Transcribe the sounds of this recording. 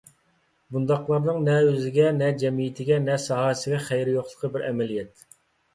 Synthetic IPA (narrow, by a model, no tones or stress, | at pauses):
bund̪ɑqlˠɑɾnɨŋnɛøzɪɡʲɛnɛd͡ʒɛmijɪt̪ʰɪɡʲɛnɛsɑɦɑsɪɡʲɛχæjɾɪjoqlˠəqʰəbɪɾʔɛmɛlijɛt̪